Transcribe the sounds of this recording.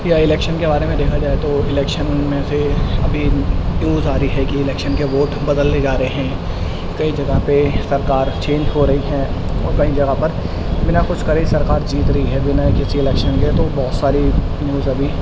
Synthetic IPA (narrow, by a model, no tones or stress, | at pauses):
pjaɪlɛːkʃənkebaːɾemẽd̪eːkʰad͡ʒaːet̪oɪlɛːkʃənmẽseɐbʱinjuːzaːɾiɦɛkiɪlɛːkʃənkeʋoːʈbɐd̪əlt̪ed͡ʒaːɾeɦɛ̃ː | kɐid͡ʒɐɡapesɐɾkaːɾt͡ʃẽːd͡ʒɦoɾɐɦiɦɛ̃ːɔːɾkɐid͡ʒɐɡapɐɾ | bɪnakʊt͡ʃʰkɐɾesɐɾkaːɾd͡ʒiːt̪ɾɐɦiɦɛʋɪnaekɪsiɪlɛːkʃənket̪obɔːʊt̪saːɾi | njuːzɐbʱi